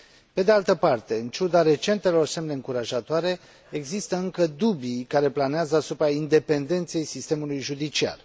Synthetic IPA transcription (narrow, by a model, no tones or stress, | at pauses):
pe̞d̪ealt̪əpart̪e̞ɨnt͡ʃud̪aɾe̞t͡ʃe̞nt̪e̞lo̞rse̞mne̞ɨŋkuɾaʒat̪oaɾe̞ | eɡzist̪əɨŋkəd̪ubikaɾe̞planeazəasupɾaind̪e̞pe̞nd̪e̞nt̪se̞jsist̪e̞mulujʒud̪it͡ʃia̰r